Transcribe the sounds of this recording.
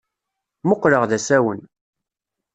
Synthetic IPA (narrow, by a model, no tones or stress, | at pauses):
mʊqːləʁðæsæwən